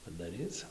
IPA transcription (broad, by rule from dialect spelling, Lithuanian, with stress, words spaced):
pɐdɐˈrʲiːt͡s